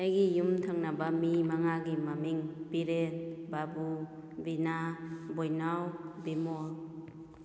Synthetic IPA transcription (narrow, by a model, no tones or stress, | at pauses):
ajɡijumtʰaŋnabamimaŋaɡimamiŋbiɾet̚babu | binabojnawbimɔl̚